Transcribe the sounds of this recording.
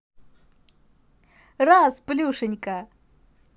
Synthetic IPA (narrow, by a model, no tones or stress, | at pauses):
rasplʲuʂɨnʲka